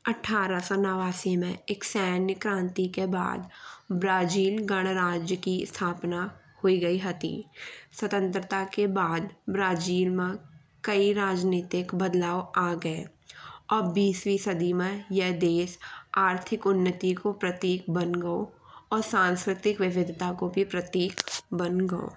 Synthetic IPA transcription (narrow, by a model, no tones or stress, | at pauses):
ɐʈʰːaːɾasɔnaːʋaːsimẽeksɛːnjəkɾãːnt̪ikeba̰ːd̪bɾaːd͡ʒiːlɡəɽ̃ɾaːd͡ʒjəkist̪ʰaːpna | hoiɡɐiɦət̪ḭːswɐt̪ə̃nt̪ɾət̪akebaːd̪bɾaːd͡ʒiːlmẽ | kəiɾaːd͡ʒneːt̪ɪkbɐd̪laːwaːɡɐe | ɔːɾbiːswisəd̪imẽjɛɦd̪eːsaːɾt̪ʰɪkʊnːət̪ikopɾɐt̪iːkbənɡəo | ɔːɾsãːnskɾɪt̪ɪkʋɪʋɪd̪ʱɪt̪akobʱipɾɐt̪iːkbənɡəo̰ː